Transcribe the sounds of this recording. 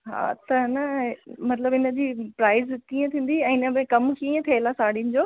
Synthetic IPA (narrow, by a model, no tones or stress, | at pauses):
ɦa̰ːt̪ɐnɐmɐt̪ləbɪnə̆d͡ʑiːpɾaːɪzkiːə̃t̪ʰĩːn̆d̪iɛ̃ːɪnəmẽkɐmkiːə̃t̪ʰielasaːɽinɪ̆d͡ʑoː